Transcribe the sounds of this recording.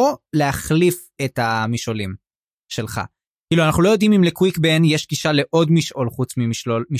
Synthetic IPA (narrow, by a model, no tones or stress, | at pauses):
oleaχlif | etamiʃolim | ʃelχa̰ | kiːluanaχnulojo̞dimimlekwikbenjeʃɡiʃaleʔo̞dmiʃʔo̞lχut͡smimiʃolmi